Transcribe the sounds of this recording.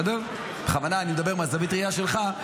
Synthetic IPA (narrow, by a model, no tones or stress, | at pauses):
d̪ov | beχavanaːnimed̪abemeazavit̪ʁiaʃelχa